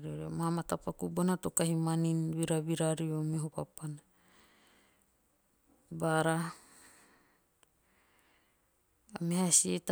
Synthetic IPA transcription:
ɾioɾiomahamatapakubonatokahimaninβiɾaβiɾaɾiomeɦopapana | baɾa | amehasieta

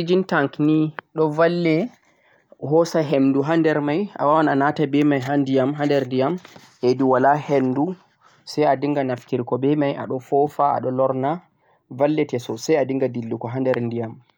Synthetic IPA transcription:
id͡ʒintaŋkniɗɔvalːɛ | ɦɔsaɦemduɦandɛɾmaja̰wawananatabɛmajɦandijamɦandɛɾndijam | ʔediwalahendu | sɛjadiŋɡanafkiɾkɔbɛmajʔa̰ɗɔfɔfaa̰ɗɔlɔɾna | valːɛtɛsɔsajadiŋɡadilːukɔɦandɛɾndijam

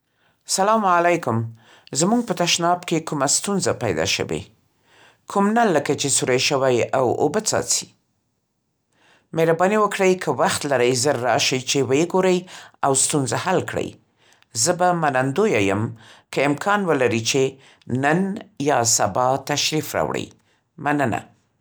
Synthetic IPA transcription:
salɑmalajkʊm | zmuɡ̚pət̪aʃnɑbkekumast̪unzapajd̪ɑ̰ʃə̰wḛ | kʰumnalːəkat͡ʃesuɾajʃəwajawo̰bət͡sɑ̰t͡si̥ | meɾabɑniwəkɽəjkʰəwaxt̪laɾəjzəɾːɑʃajt͡ʃewəjeɡoɾəjawst̪unzahalkɽə̰j | zəbamanand̪ojajəmkəɪmkʰɑnwəlaɾit͡ʃe | nənjɑsabɑt̪aʃɾifɾɑ̰wɽə̰j | manəna̰

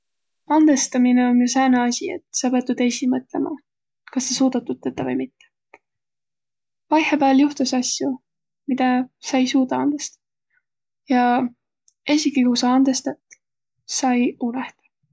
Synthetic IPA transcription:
ɑnd̪̥e̞st̪ɑmineonjusæːnɑɑsʲiḛt̪sɑpet̪ːud̪̥esʲimɤt̪ˑle̞̰mʔɑ̰ | kɑsːesuːd̪̥ɑt̪ːut̪̚ːet̪ːɑvɤjmit̪ːe | pɑjhepæːljuht̪usɑsʲju | mid̪̥ɑsɑjsuːd̪ɑɑnd̪̥est̪ɑ̥ | jɑ | e̞sʲikikusɑɑnd̪̥e̞st̪ɑt̪ | sɑjuneht̪ɑ̥

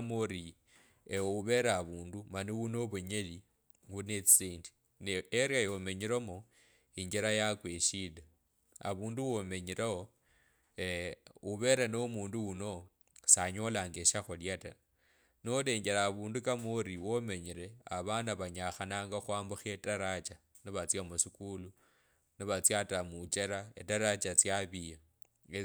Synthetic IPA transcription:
moɾi | euβe̞ɾaβuːndumaniwuno̞βuɲeli | wunet͡siːndi̥ | neeɾjajomeɲiɾomo | iɲɡiɾajakweʃila | a̰βuːnduwome̞ɲiɾeho | uβe̞ɾanomuːnduwuno̞ | saɲo̞laŋɡeʃaxoljata̰ | nole̞ːɲɡeɾaːβuːndukamoɾiwome̞ɲiɾe̞aβanaβaɲaxanaːŋɡaxwaːmbuxetaɾat͡ʃa | niβat͡sjamusikulu | niβat͡sjatamut͡ʃeɾaetaɾat͡ʃat͡sjaβija

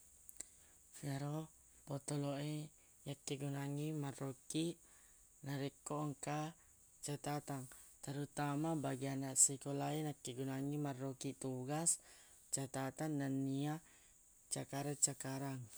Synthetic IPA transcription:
fɛɾo | pɔt̪ɔloʔe | jakːeɡunaŋimarokiʔ | naɾɛkːoŋka | t͡ʃat̪at̪aŋ | t̪aɾut̪amabaɡianaʔsikolainakːeɡunaŋimarːokit̪uɡas | t͡ʃat̪at̪anːanːia | t͡ʃakaɾat͡ʃakaɾaŋ

